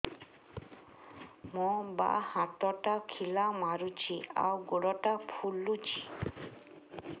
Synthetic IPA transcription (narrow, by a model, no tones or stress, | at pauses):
mɔba̰hãt̪ɔʈakʰilamaɾut͡ʃia̰wɡoɽɔʈapʰulːut͡ʃi